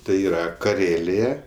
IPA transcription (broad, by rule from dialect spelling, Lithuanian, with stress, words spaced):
tɐɪ ˈiːrɐ kɐˈrʲeːlʲeːjɛ